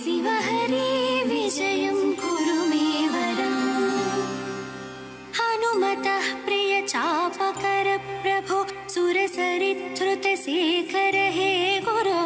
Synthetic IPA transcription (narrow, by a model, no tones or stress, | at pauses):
siʋɐɦɐɾiʋiʃɐjɐmkuɾumeːʋɐɾɐm | hɐnumɐt̪ɐhpɾijɐt͡ʃaːpɐkɐɾɐpɾɐbʱusuɾɐsɐɾit̪ɾut̪ɐseːkʰɐɾɐɦeːɡoɾo